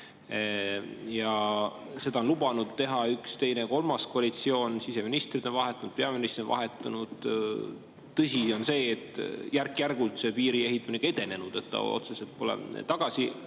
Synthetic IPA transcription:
jɑ | se̞d̪̥ɑonlubɑnud̪t̪ːe̞ɦɑykst̪e̞jneko̞lmɑskoɑlit̪sio̞ːnsise̞minist̪rid̪̥o̞nvɑɦet̪ːˑɑnud̥̪̚peɑminist̪onvɑ̰ɦe̞t̪ˑːɑnud̪̥ | t̪ɤsio̞nse̞ːt̪ːˑjærkːˑjærɡult̪se̞piːɾie̞ɦit̪ːˑɑmineɡ̥ɑe̞d̪e̞ne̞nud̪̥et̪ːɑ̰o̞̰t̪se̞se̞lt̪̚po̞lḛt̪ɑɡ̥ɑsi

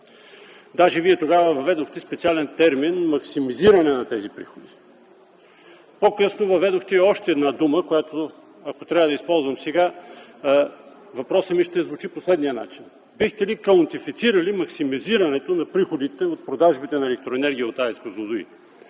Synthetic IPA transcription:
d̪aʒɛviɛt̪oɡavɐvɐvɛd̪oxt̪ɛspɛt̪sialɛnt̪ɛɾminmɐksimiziɾɐnɛnɐt̪ɛzipɾixod̪i | pokɤsnovɐvɛd̪oxt̪ɛiɔʃt̪ɛɛːd̪nad̪uməkojat̪o | ɐkot̪ɾʲaɐd̪ɐispɔlˠzvɐmsɛɡa | vɐpɾɔsəmiʃt̪ɛzvʊt͡ʃiposlɛd̪nijəna̰t͡ʃin | bixt̪ɛlikɐont̪ifit̪siɾɐlimɐksimiziɾɐnɛt̪onɐpɾixod̪it̪ɛot̪̚pɾod̪aʒbit̪ɛnɐɛlɛk̚t̪ɾoɛnɛɾɡʲiəot̪aɛt̪kozlˠod̪ʊḭ

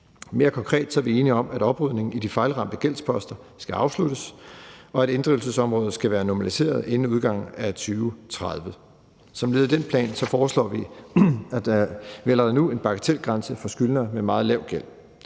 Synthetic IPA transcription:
me̝ːɐkʰɒ̽ŋkʰʁɛ̰ːd̥sɒ̽ʋie̝ːniɒ̽mæɾ̥ɒ̽b̥ʁyð̰ˠne̝ŋn̩id̥ifɑ̈ɪlʁɑ̈m̰b̥d̥əɡ̥el̰spʰɒ̽sd̥ɐ | sɡ̥æɑ̈ʊslud̥əsɒ̽æɾ̥e̝nd̥ʁil̩s̬əsɒ̽mʁɔ̽ːð̞̩ˠsɡ̥æʋæːɐnɒmælise̝̰ːɐð̞ˠe̝n̩uð̞ˠɡ̥ɑ̈ŋ̰̩æt͡sʰyːʊt͡sʰʁɑðˠʋə | sɒ̽mle̝ð̞ˠd̥enpʰlɛ̰ːnsɒ̽fɒːslɒ̰ːʋi | æ̥ʋelɐðnue̝nb̥ɑ̈ɡ̥æt͡sʰel̰ɡ̥ʁɑ̈nsəfɒ̽sɡ̥ylnɐmemɑ̈ːð̞̩ˠlɛʊ̰ɡ̥el̰

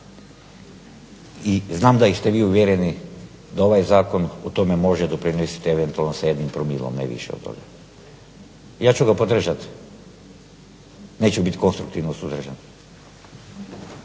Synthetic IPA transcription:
iznaːmd̪aist̪eʋiːuʋjeɾeni | d̪ao̞ʋajzaːko̞not̪omemo̞ʒed̪opɾinesi̥t̪eeʋent̪ualˠnosajed̪nimpɾomilˠo̰mnḛʋḭʃeo̰d̪t̪o̰ɡa | jaːt͡ʃuɡapod̪r̩ʒat̪ | ne̞ːt͡ɕubit̪ko̞nst̪ɾukt̪iʋnosuzd̪r̩ʒan

